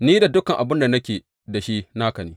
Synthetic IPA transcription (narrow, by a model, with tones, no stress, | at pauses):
niː˦da˨dʊ˦kɐ˨ŋʔa˨bɪ˦nda˨nɐ˦kʲeː˨ | da˨ʃi˦naː˦kɐ˨niː˦